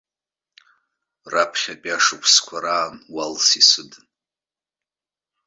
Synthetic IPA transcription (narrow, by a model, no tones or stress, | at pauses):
rapʰχʲapʼaʂɨpʷʰskʷʰaɾaːnwalsisɨd